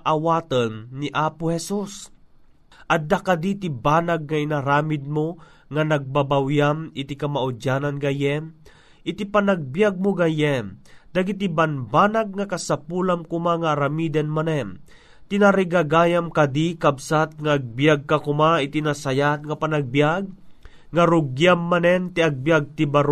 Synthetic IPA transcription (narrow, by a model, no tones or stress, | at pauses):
ʔawaːt̪ənːiʔaːpʊhɛsus | ʔɐd̪akad̪it̪ibaːnaɡ̚ŋainaɾaːmɪd̪̚mo | ŋanɐɡ̚babawjamɪt̪ikamaʔʊd͡ʒananɡajɛm | ʔɪt̪ipanaɡ̚bjaɡ̚mʊɡajɛmd̪aɡit̪̬ibanbanaɡ̚ŋakasapuːlamkʊmaŋaːɾamid̪ɛnmanɛm | t̪inaɾiɡaɡaːjamkad̪ikabsat̪̚ŋaːɡ̚bjaɡ̚kakʊmait̪inasajat̪̚ŋapanaɡ̚bjaɡ̚ | ŋaɾʊɡjamːanɛnt̪iaɡ̚bjaɡ̚t̪ibaɾ